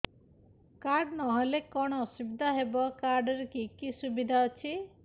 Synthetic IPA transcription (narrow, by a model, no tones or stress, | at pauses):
kaɾɖnɔɦɔlekɔɽ̃ɔɔsubid̪ʱaɦebɔkaɾɖɔɾekikisubid̪ʱaɔt͡ʃʰi